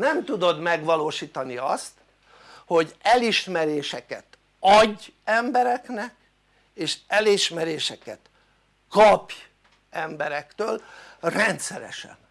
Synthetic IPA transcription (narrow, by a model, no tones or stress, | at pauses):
nɛmt̪ud̪o̞d̪mɛɡʋɒloːʃiːt̪ɒniɒst̪ | ho̞ɟɛliʃmɛɾeːʃɛkɛt̪ | ɒɟːɛmbɛɾɛknɛk | eːʃɛliʃmɛɾeːʃɛkɛt̪ | kɒpj | ɛmbɛɾɛkt̪øːlrɛnt̪sɛɾɛ̰ʃɛ̰n